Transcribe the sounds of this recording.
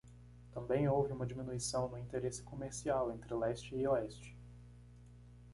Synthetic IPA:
t̪ɐ̃mbẽj̃owvɪũmɐd͡ʒimĩnuisɐ̃w̃nʊĩnt̪eɾesɪ̥komeɾsiawẽnt̪ɾɪlɛst͡ʃɪːoɛst͡ʃɪ̥

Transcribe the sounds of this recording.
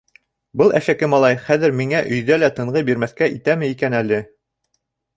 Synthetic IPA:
bɤlˠæ̰ʃækɘmɑlˠɑjχæðɘ̆ɾmiŋæʔɵ̆jðælæt̪ɤ̆ɴʁɤbiɾmæθkæʔit̪æmɘ̆ikænælɘ

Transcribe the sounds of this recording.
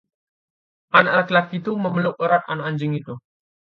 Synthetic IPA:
ʔanʔaklakit̪uməməlʊk̚əɾat̪̚a̰naʔaɲd͡ʒɪŋit̪u

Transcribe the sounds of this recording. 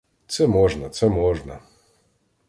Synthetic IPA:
t͡s̪ɛmoːʒnat͡s̪ɛmoːʒna̰

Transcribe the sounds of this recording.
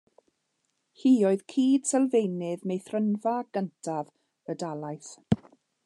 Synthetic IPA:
hiːɔɨð̥kʰiːd̥sɛlˠvejnɪðmejθrənvaɡ̥əntʰav | ədalˠajθ

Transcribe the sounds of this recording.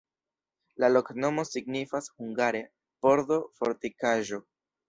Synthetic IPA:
lalokno̞mo̞siɡnifashuŋɡaɾe | po̞ɾdofoɾtikaʒo̞

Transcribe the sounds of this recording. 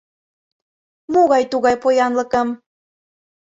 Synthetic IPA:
moɣɑjt̪uɣɑjpojɑnlɤkəm

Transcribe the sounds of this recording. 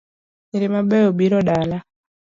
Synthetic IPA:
ɲiɾimaɓɛɔbiɾɔɗala

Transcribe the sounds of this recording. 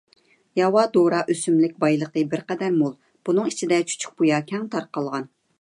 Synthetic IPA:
jɑwɑd̪oɾɑʔøsymlɪk̚ʲbɑjlˠəqəbɪɾqɛd̪æɾmolˠ | b̥unɨŋit͡ʃʰid̪ɛt͡ʃʰy̥t͡ʃʰy̥k̚ʲbujɑkʲʰɛŋt̪ʰɑɾqɑlˠʁɑn

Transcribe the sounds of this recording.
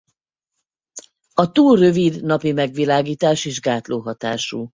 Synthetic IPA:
ɒt̪uːlrø̞vid̪nɒpimɛɡʋilaːɡiːt̪aːʃeːʒɡaːt̪loːɦɒt̪a̰ːʃṵ

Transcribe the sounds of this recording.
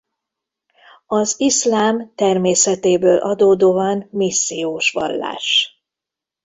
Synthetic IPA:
ɒziʃlaːmt̪ɛrmeːsɛt̪eːbøːlʔɒd̪oːd̪oːvanmisːijoːʃʋɒ̰lːa̰ːʃ

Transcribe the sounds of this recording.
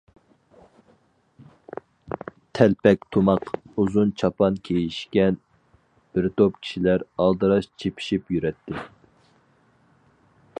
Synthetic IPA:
t̪ʰɛlpɛk̚ʲt̪ʰomɑquzunt͡ʃʰɑpɑnkʲʰejiʃkʲɛn | b̥ɪɾt̪opkʲʰi̥ʃilæɾɑlˠd̪ɨɾɑʃt͡ʃʰepʰi̥ʃipjyɾɛt̪ʰːɪ

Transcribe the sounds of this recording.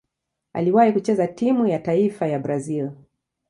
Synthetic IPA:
a̰liwahikut͡ʃɛzatimujataifajabɾazil

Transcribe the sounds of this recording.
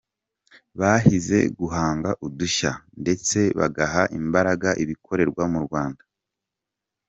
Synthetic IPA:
βahize̞̰ɡuɦaːŋɡaʔuduʃande̞t͡se̞βa̰ɡaɦaʔimbaɾaɡaʔiβikʰo̞ɾe̞ɾɡwamuɾɡwaːnda

